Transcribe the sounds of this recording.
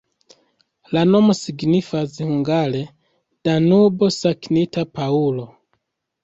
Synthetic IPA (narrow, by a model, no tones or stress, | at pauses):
lano̞mo̞siɡnifashuŋɡale | d̥anubo̞saknitapaulo